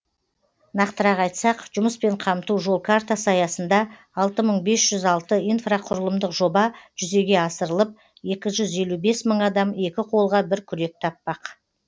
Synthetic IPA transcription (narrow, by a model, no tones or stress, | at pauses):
nɑqt̪əɾɑqɑjt̪sɑqʒ̥ʊməspe̞ɴqʰɑmt̪uʒo̞lˠkʰart̪asɑjɑsənd̪ɑː | lˠt̪əməɴbe̞sʒ̥ʏzɑlˠt̪əijnfraqʰʊɾəlˠəmd̪əqʒo̞bɑʒ̥ʏze̞ɡʲe̞ɑsəɾəlˠəp̚ | e̞kʲɪʒʏze̞lube̞sməɴɑd̪ɑme̞kʲɪqʰo̞lˠʁɑbɪɾkʲʰʏɾe̞k̚t̪ʰɑpːɑq